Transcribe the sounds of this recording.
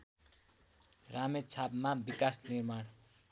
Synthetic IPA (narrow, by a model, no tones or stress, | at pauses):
ramet͡sʰabmabikasnirmaɽ